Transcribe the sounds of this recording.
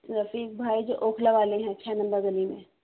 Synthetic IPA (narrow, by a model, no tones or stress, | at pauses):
ɾɐfiːk̚bʱaːid͡ʒoʔoːkʰleʋaːleɦɛ̃t͡ʃʰɛːnɐ̃mbəɾzɐlimẽː